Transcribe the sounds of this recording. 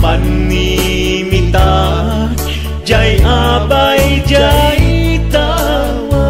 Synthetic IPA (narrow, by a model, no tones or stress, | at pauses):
panːi | mit̪a | d͡ʒajʔabajd͡ʒajt̪a